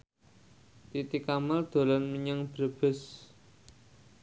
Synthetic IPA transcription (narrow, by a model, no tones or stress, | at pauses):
t̪it̪ikamald̪̥o̤lɔnmiɲəŋb̥ɾəb̥ə̤s